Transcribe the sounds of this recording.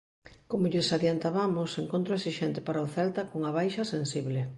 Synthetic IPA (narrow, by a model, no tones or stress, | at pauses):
komoʎesaðjant̪aβamʊseŋkõnt̪ɾoesiʃɛnt̪ɪpaɾaoθɛlt̪akoŋaβ̞ajʃɐsensiβle